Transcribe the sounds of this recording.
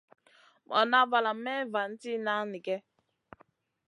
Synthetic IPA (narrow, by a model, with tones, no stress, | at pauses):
mɔ̰˨na˦va˨la˨m̩˦me˦va˨n̩˦ti˦na˦ni˨ɡe˦